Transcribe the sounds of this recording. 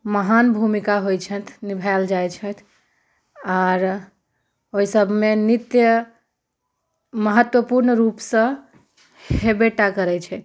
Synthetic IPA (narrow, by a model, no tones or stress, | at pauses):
məɦanbʱumikaɦojt͡ʃʰət̪ʰnibʱald͡ʒajt͡ʃʰət̪ʰ | aɾ | oisəbʱmenit̪jə | məɦət̪wəpuɾnɾupsə̃ | hhebeʈakəɾɛt͡ʃʰɛt̪̚ʰ